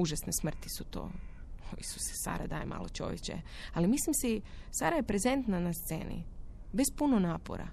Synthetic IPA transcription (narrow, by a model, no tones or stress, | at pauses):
uʒasnesmr̩t̪i̥sut̪o̰ː | ḭsu̥se̥sa̰ːɾad̪aːjemʔa̰ːlot͡ʃo̞̰ʋjet͡ʃḛ | alimislimsisa̰ɾaje̞pɾezent̪nanast̪se̞̰ːnḭbespunonaːpo̰ɾa̰